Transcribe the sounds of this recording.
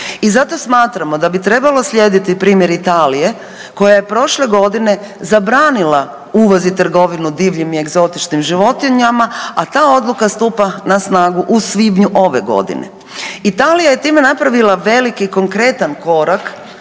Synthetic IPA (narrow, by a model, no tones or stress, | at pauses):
izat̪o̞smaːt̪ɾamo̞d̪abit̪ɾe̞balo̞slʎʲjed̪it̪ipɾiːmjeɾit̪aːlije̞ | ko̞jaje̞pɾo̞ʃle̞ɡo̞d̪ine̞ | zabɾaːnila | uːʋozit̪r̩ɡo̞ʋinud̪iːʋʎimie̞ɡzo̞t̪it͡ʃnimʒiʋo̞t̪iɲamaat̪aːo̞d̪lˠukast̪uːpanasnaːɡuʔusʋibɲuʔo̞ʋe̞ɡo̞̰d̪ḭnḛ | it̪aːlijaje̞t̪iːme̞napɾaʋilaʋe̞likiko̞ŋkɾe̞t̪anko̞ɾak